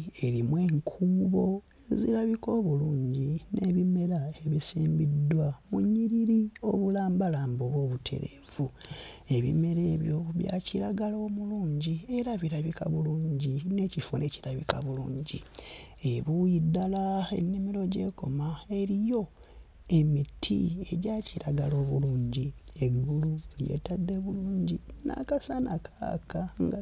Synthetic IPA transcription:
e̞ɾimwe̞ːŋkʰuːβo̞ | ezḭɾaβiko̞ːβuluːɲɟine̞βime̞ɾae̞βisiːmbidːwamuɲːiɾiɾio̞βulaːmbalaːmboβwo̞ːβutʰe̞̰ɾḛvu | e̞βḭme̞ɾe̞ːβjoβja̰ːciɾaɡalo̞ːmuluːɲɟie̞ɾaβiɾaβika̰βuluːɲɟine̞ːcifone̞ciɾaβḭkaβulṵːɲɟieβujidːalae̞̰nːimiɾo̞ɟe̞̰ko̞̰mae̞ɾijo̞ | e̞mitʰḭe̞ɟaːciɾaɡalo̞ːβuluːɲɟieɡululje̞̰ːtadːe̞βuluːɲɟina̰kasanakʰa̰ːkaŋɡa

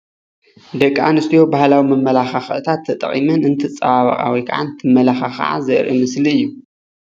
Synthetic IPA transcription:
d̪ɐkʼːa̰nɨst̪ʰjo̞bahlawimɨmːɐlaxaxʔt̪ʰat̪ʰːɐt̪ʼɐ̰χʼḭmɨnɨnt̪ʰɨt͡sʼɐβaβɐ̰χʼa̰wikʰa̰ʕa̰nt̪ʰɨmːɐlaxaxa̰ʕa̰zɐʔɾʔɨ̰mɨsliɨjːu

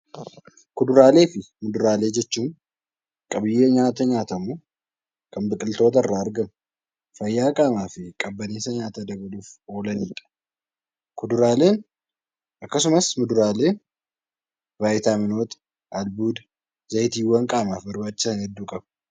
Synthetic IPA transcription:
kʊd̪ʊɾaːle̞ːfɪ | mʊd̪ʊɾaːle̞ːd͡ʒɛt͡ʃːuːm | kʼɐbɪjːeːɲaːt̪ɐɲaːt̪ɐmuː | kʼɐmbɪkʼɪlt̪o̞ːt̪̬ɐrːaːɐɾɡɐmʊ | fɐjːaːkʼaːmaːfɪkʼɐbːɐneːsɐɲaːt̪ɐd̪ɐbɐluːfo̞ːlɐniːᶑ̪ʼɐ̥ | kʊd̪ʊɾaːle̞ːn | ʔɐkːɐsʊmɐsmʊd̪ʊɾaːle̞ː | vaːjt̪aːmɪno̞ːt̪ɐ̥ | ɐlbuːd̪ɐ | zɐjt̪iːwːɐŋkʼaːmaːfbɐɾbaːt͡ʃːɪ̥sɐnhɛd̪ːuːkʼɐb̥

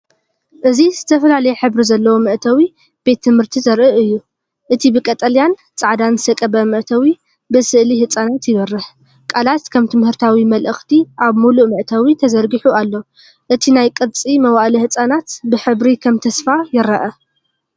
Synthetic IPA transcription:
ʔɨziz̥ɨt̪ʰɐfɐlalɐjeħɨβɾizɐlːɐwomɨʔt̪ʰɐwi | b̥e̞t̪ʰːɨmhɨɾt̪ʰizɐɾʔɨʔɨjːu | ʔɨt̪ʰibɨkʼɐt̪ʼɐljan | t͡sʼaʕd̪anɨsɐkʼɐbɐmɨʔt̪ʰɐwi | bɨsɨʔlihɨt͡sʼanat̪jɪβɐrːɨħ | kʼalat̪kʰɐmt̪ʰɨmhɨɾt̪ʰawimɐlʔɨxt̪ʰiʔaβmuluʔmɨʔt̪ʰɐwit̪ʰɐzɐɾɡiħualːo | ʔɨt̪ʰinajkʼɨd̪t͡sʼimɐwaʔlihɨt͡sʼanat̪bɨħɨβɾikʰɐmt̪ʰɐsfajɪɾɐʔɐ

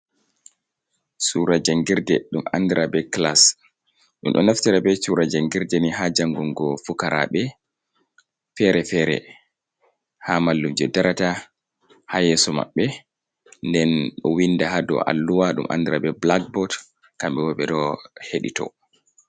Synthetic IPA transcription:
suɾad͡ʒaŋɡiɾdɛɗuma̰ndiɾabɛklas | ɗṵmɗɔ̰naftiɾabɛsuɾad͡ʒaŋɡiɾdɛniɦad͡ʒaŋɡɔŋɡɔfukaɾa̰ɓɛ | fɛɾɛfɛɾɛ̰ | hamalːumd͡ʒɛdaɾata | hajɛsɔma̰ɓːɛ | ndɛnɗɔwindahadɔ̰ʔa̰lːuwaɗumʔa̰ndiɾabɛblak̚bɔt | kamɓɛwɔɓɛɗɔheɗḭtɔ̰

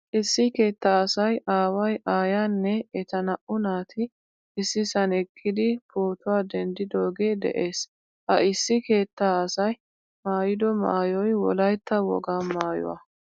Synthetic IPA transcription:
ʔɪsːɪke̞ːt̪ːaːsɐjaːwɐjʔaːjaːnːɛɛt̪ɐnɐʔʊnaːt̪ʰɪ | ɪsːɪsɐnɛkʰʼːɪd̪ɪpoːt̪ʊwaːd̪ɛnd̪ɪd̪oːɡe̞ːd̪ɛ̰ʔe̞ːs | ʔɐɪsːɪke̞ːt̪ːaːɐsɐj | maːjɪd̪ɔma̰ːjɔjwɔ̰lɐjt̪ːɐwɔ̰ɡaːmaːjʊ̰wa̰ː

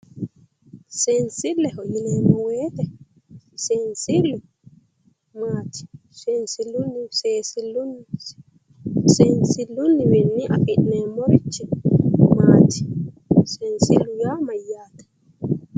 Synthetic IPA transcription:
sensɪlːɛhɔjɪneːmːɔweːt̪ɛ | sensɪlːʊ | maːt̪ɪ̥ | sɛnsɪlːʊnːɪseːsɪlːʊnː | sensɪlːʊnːɪwɛnːiʔɐ̰kʼɪʔneːmːɔɾɪt͡ʃːɛmaːt̪ɪ̥ | seːnsɪlːʊjaːmɐjːaːt̪ɐ̥

